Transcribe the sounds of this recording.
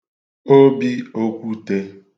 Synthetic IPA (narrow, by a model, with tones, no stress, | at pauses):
o˦bi˦o˦kʷu˦te˦